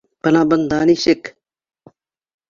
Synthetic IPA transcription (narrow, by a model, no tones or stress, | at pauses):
pɐnaːbɐnd̪aːniːʃɪk